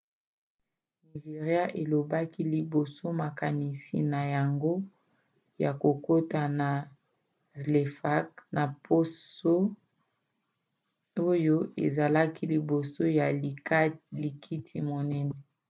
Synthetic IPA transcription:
ni˨ʒe˨ʁja˦ʔe˨lo˨ba˦ki˦li˨bo˨so˦ma˨ka˨ni˨sḭ˨na˨ja˨ŋɡo˦ | ja˨ko˨ko˦ta˨na˨ | zle˨fa˦kna˨po˦so˦ | o˦jo˦ḛ˨za˨la˦ki˦li˨bo˨so˦ja˨˦li˨kʰi˦tʰi˨mo˨nɛ˦nɛ˦

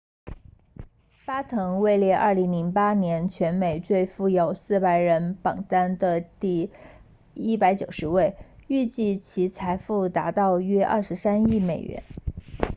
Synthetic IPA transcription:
pa˥t̪ʰɤ˧˥ŋwe˥˧ɪljɛ˥˧ʔɐ̰˞˥˩li˧˥ŋli˧˥ŋpa˥njɛ˧˥nt͡ɕʰɥɛ˧˥nme˨˩ɪʈ͡ʂwe˥˧ɪfu˥˩jo˨˩ʊsɹ̩˥˩pa˧˥ɪɻə˧˥npɑ˨˩ŋt̪a˥nd̪ə˧t̪i˥˩ | i˥pa˧˥ɪt͡ɕjo˨˩ʊʂɻ̩˧˥we˥˩ɪy˥˧t͡ɕi˥˩t͡ɕʰi˧˥t͡sʰa˧˥ɪfu˥˩t̪a˧˥t̪ɑ˥˧ʊɥɛ˥ʔɐ̰˥˩ʂɻ̩˧˥sa˥ni˥˩me˨˩ɪɥɛ̰˧˥n

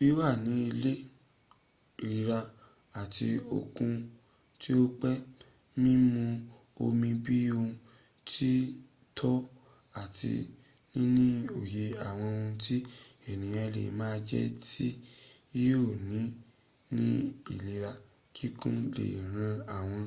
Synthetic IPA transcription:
bi˨˦wa˦˨nĩ˨˦i˧le˦˨ | ɾi˨ɾa˧ | a˨ti˧o̰˨kũ˧ | ti˦o˦k͡pɛ˦ | mĩ˦mũ˧ | o˧mĩ˧bi˦o˧ | ti˦ | tʰɔ˦ | a˦˨tḭ˧ | nĩ˦nĩ˦o˨je˨a˨w̃ɔ̃˧ũ˧ti˦e˨nĩ˨jã˧lḛ˨˦mãː˦d͡ʒɛ̰˦ti˦ | o˦˨nĩ˨˦ | nĩ˦i˦˨li˨˦ɾa˧ | kʰi˦kṵ̃˦lḛ˨ɾ̃ã˧a˨w̃ɔ̃˧

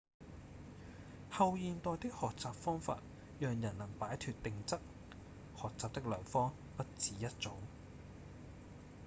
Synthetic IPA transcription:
hɐ˧wjiː˧nt̪ɔː˧jt̪ɪ˥k̚hɔː˨k̚t͡saː˨p̚fɔː˥ŋfa̰ː˧t̚ | jœː˨ŋjɐ˨˩nlɐ˨˩ŋpaː˨˥jt̪ʰyː˨˧t̚t̪ɪ˨˧ŋt͡sɐ˥k̚ | hɔː˨k̚t͡saː˨p̚t̪ɪ˥k̚lœː˨˩ŋfɔː˥ŋ | pɐ˥t̚t͡siː˨˥jɐ˥t̚t͡sʊ˨˥ŋ

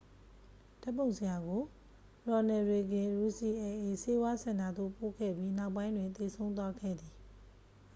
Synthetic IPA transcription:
d̥a˦pːõ˨ʊ̃nsʰə˨ja˨ɡo˨ | ɹɔ˨nɛ˨ɹe˨ɡɪ̃˨ɹu˨si˨ʔɛ˨ʔe˨se˦wa˦sã˨nda˨d̪o̰˦˨po̰˦˨kʰɛ̰˦˨bji˦na˦ʊp̬ːã˦ɪ̃ndwɪ̃˨nt̪e˨sʰõ˦ʊ̃nt̪wa˦ɡɛ̰˦˨d̪i˨

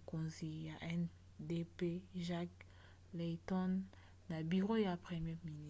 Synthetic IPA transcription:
ko˨nzi˨ja˨ʔɛ˦n | de˦pe˦ʒa˦k | le˨tɔ˦nː | a˨bi˨ʁo˦ja˨pχɛ˨mjɛ˦mi˨ni˦˨

